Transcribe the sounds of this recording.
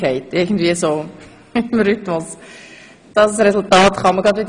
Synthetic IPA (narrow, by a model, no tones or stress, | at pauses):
ɛɪtɪɡn̩dviːəsoː | ɪmɾʏtmʊs | d̥ɑssɾɛsʊltɑːtχɑməɡɑdʋɪd̪ə